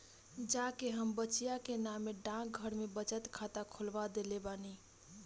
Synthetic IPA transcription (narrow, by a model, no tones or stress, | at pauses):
d͡ʒakeɦəmbət͡ʃijakenameɖãk̚ɡʱəɾmebət͡ʃət̪kʰat̪akʰolbad̪elebani